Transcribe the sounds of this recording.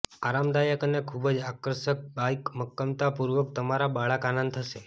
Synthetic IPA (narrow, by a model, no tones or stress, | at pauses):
aɾamd̪ajəkənekʰubəd͡ʒakəɾʃək̚bajkməkːəmt̪apuɾʋək̚t̪əmaɾabaɭəkanãnd̪̚t̪ʰəʃe